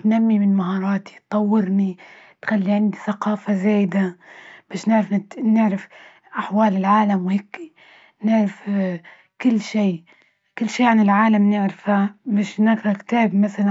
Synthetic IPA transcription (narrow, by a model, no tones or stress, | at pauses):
namːimɪnmaɦɑːɾˤɑːt̪i̥t̪̚ˤːɑwːɪɾni | t̪xalːiʕɪnd̪iθaqɑːfazaːjd̪ab̥aːʃnɪʕɾɪfnɪʕɾɪf | ʔaħwaːlɪlʕaːlamwheːki | nɪʕɾɪf | kɪlːʃiː | kɪlːʃiːʕanɪlʕaːlamnɪʕɾɪfabaːʃnakɾˤɑkt̪aːbmaθala